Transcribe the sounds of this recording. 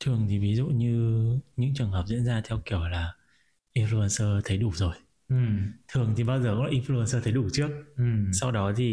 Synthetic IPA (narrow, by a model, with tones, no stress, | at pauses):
t̪ʰɨ˨˩əŋt̪ʰi˨˩vi˨˦zṵ˧˨ɲɨ˧ɲɨ̰˧˥ŋt͡ɕɨ˨˩ənɦəː˨˩p̚zḭ˧˥ənzaː˧t̪ʰɛ˧wki˧˩əwlaː˨˩ | ʔi˧nflu˧ə˧nsəː˧t̪ʰə˨˦jɗu˧˩zo˨˩j | ʔɨ˨˩mt̪ʰɨ˨˩əŋt̪ʰi˨˩ɓaː˧wzəː˨˩kɔ̰˧˥lːʔi˧nflu˧ə˧nsəː˧t̪ʰə˨˦jɗu˧˩t͡ɕɨ˦˥ək̚ʔɨ˨˩msa˧wɗɔ˨˦t̪ʰi˨˩